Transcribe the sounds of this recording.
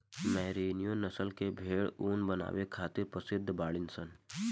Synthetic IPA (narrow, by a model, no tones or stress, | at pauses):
mɛːɾeːnijõnəsəlkebʱeːɽuːnbəna̰ːʋekʰaːt̪ɪɾpɾəsɪd̪ʱːbaːɭɪnsən